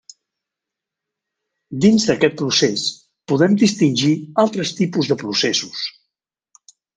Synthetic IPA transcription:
d̪inzðəkɛt̪̚pɾuses | puðɛmd̪ist̪inʲʒialˠt̪ɾəst̪ipuzðəpɾusesus

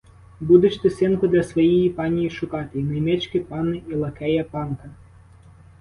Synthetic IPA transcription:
bud̪ɪt͡ʃt̪ɪsʲɛnkʊd̪lʲɐsʋɐjɛjipɑnʲijiʃʊkɑt̪ɪinɐjmʲɛt͡ʃkʲɪpɑnɪʔilˠɐkɛjɐpɑnkɐ

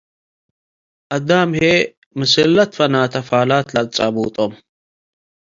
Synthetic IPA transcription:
ɐd̪aːmhe | mɨselːɐt̪fɐnaːt̪ɐfaːlaːt̪lɐt͡sʼɐ̰buːt̪ʼom

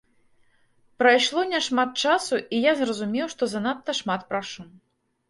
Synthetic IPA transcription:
pɾɐjʂlˠɔnʲɛʂmat̪̚t͡ʂasuʔijazrɐzumʲɛwʂt̪ɔzɐnat̪ːɐʂmat̪̚pɾaʂu

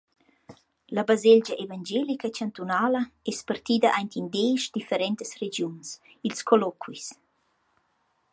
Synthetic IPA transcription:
labazeld͡ʒaʔevand͡ʒelikət͡ʃant̪unaːlɐɛspart̪iːd̪aʔajnt̪ind̪eːʃd̪ifəɾɛnt̪əsred͡ʒjuns | ilskʰolɔkʰwis

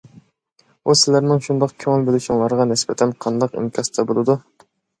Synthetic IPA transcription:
usɪlæɾnɪŋʃund̪ɑqkʲʰøŋɪlbelɪʃiŋlˠɑɾʁɑnɪsbɛt̪ʰɛnqʰɑnd̪ɑqḭmkʲʰɑst̪ʰɛbolˠɨd̪u

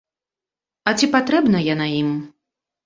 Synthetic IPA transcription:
ɐt͡sʲipat̪ɾɛbnɐjanaim

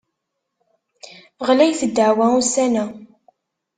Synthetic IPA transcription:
ʁlæjθəd̪ːəʕwæusænæ

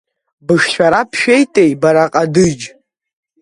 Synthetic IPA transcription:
bɨʂʃʷᶣaɾapʰʃejtʼejbaɾaqʼadɨd͡ʒ

